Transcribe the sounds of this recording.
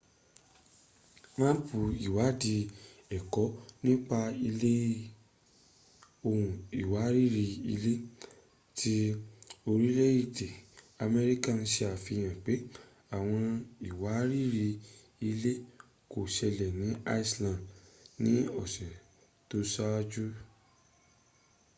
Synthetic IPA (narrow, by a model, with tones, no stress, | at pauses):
mã˦bu˨i˨wa˨˦di˧ɛ˨kɔ˨˦nĩ˦k͡pa˧i˧le˦ | o˧hũ˨i˨wa˨˦ɾi˦ɾi˧ḭ˧le˦ | ti˧o˧ɾi˦le˦i˦˨de˨ | a˧mɛ˧ɾi˦ka˦˨n̩˧ʃi˧a˨fi˧j̃ã˨k͡pe˨˦ | a˨w̃ɔ̃˧i˨wa˨˦ɾi˦˨ɾi˧ | i˧le˦ | ko˨ʃɛ˧lɛ˨nĩ˨˦a˦i˦˧slã˧˨nĩ˨˦ɔ˦˨sɛ˨ | to˦sa˦wa˦d͡ʒu˦